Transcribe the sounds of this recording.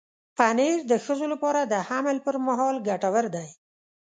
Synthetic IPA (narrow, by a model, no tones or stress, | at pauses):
paneɾd̪əxəzolapɑɾad̪əhaməlpəɾmaɦɑlɡaʈawəɾd̪aj